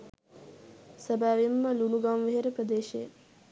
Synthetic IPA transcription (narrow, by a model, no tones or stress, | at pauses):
səbaːʋimːəlunuɡamʋeɦeɾəpɾəd̪eːʃejə